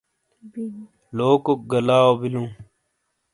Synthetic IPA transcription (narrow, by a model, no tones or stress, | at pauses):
loːkok̚ɡəlaːoːbilũː